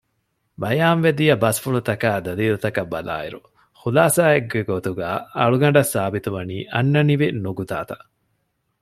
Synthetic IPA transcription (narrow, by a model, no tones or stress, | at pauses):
bɐjaːnʋed̪ijɐbɐsfuɭut̪ɐkaːd̪ɐliːlut̪ɐkɐbːɐ̰la̰ːḭɾu | χulaːsaːeɡeɡot̪uɡaːɐ̰ɭuɡɐɳɖɐsːaːbit̪uʋɐniːʔɐnːɐniʋinuɡut̪a̰ːt̪ɐʔ